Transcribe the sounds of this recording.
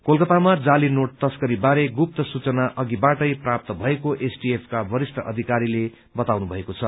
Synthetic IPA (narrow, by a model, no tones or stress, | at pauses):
kolkʌt̪amad͡zalinoʈ̚t̪ʌskʌɾibaɾeɡup̚t̪ʌsut͡sʌnaʔʌɡibaʈʌjprap̚t̪ʌbʱʌekoʔesʈiepʰkabʌɾist̪ʰʌʔʌ̰d̪ʱikaɾile | bʌt̪awnubʱʌekot͡sʰʌ